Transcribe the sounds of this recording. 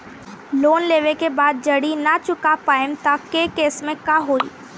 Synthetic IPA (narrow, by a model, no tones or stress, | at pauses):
loːnleːʋekebaːd̪̚d͡ʒɐɽinɐt͡ʃʊkapaːjəmt̪akekeːsmẽkaɦoːḭː